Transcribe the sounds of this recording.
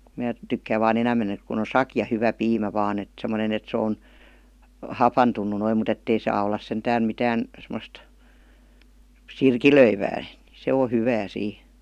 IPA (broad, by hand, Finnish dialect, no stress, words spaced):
mæː tykːæːʋ̆ ʋɑːn enæmˑen ek kun̆ on sɑkjɑ hyʋæ piːmæ ʋɑːn et semə̆ne et se on hɑpɑntunˑu noim mut etːei sɑː olːɑs sentæːn mitæːn semost sirkiløiʋæː ni se o hyʋæː siː